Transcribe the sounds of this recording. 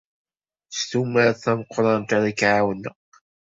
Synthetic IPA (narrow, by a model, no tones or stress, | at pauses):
st̪umaɾθæməqʰːɾˤɑnt̪aɾakʕawənə